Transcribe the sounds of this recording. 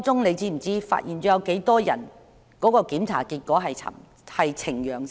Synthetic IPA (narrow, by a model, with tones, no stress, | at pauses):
t͡sʊ˥ŋne˨˧jt͡siː˥m̩˨˩t͡siː˥fa̰ː˧t̚jʔiː˨˩nt͡sɔː˧˥jɐ˨˧wke˨˥jt̪ɔː˥jɐ˨˩n | kɔː˨˥kɔː˧kiː˨˥mt͡sʰa̰ː˨˩kiː˧t̚kʷɔː˨˥ɦɐ˨jt͡sʰɐ̰˨ | hɐ˨jt͡sʰɪ˨˩ŋjœː˨ŋ